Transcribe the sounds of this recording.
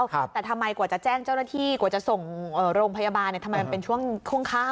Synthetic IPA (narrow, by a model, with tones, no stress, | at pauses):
wt̪ɛː˨˩t̪ʰmːa˧jkwaː˨˩t͡ɕa˨˩t͡ɕɛː˥˩ŋt͡ɕa˥˩wnaː˥˩t̪ʰiː˥˩kwa˨˩˦t͡ɕa˨˩so˨˩ŋʔɤː˨˩ɾoː˧ŋpʰa˧ja˧baː˧nːi˧˩a˧ma˧jm˧pe˧nt͡ɕʰu˥˩əŋt͡ɕʰu˥˩əŋkʰaː˥˩